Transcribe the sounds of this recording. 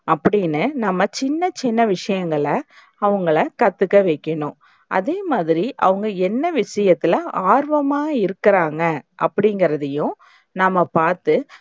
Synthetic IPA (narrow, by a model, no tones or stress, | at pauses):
ɐpːɐɽɪnːɯnɐmːɐt͡ʃɪnːɐt͡ʃɪnːɐʋɪʂɐjɐŋɡɐɭɐ | ɐʋɐŋɡɐɭɐkɐt̪ːɯkːɐʋeɪkːɐɳʊ̃ | ʔɐ̰ðeːmaːðɪɾiʔɐ̰ʋɐŋɡɐɛnːɐʋɪʂɐjɐt̪ːɪlɐaːɾʋɐmaːɪɾɯkːɪɾaːŋɡɐʔɐ̰pːɐɽɪŋɡɪɾɐðɐjʊ̃ | nɐmːɐpaːɾt̪ɯ